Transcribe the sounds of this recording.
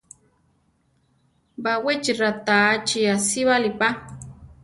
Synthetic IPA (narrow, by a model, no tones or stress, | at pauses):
bawet͡ʃiɾat̪aːt͡ʃiasiβalipa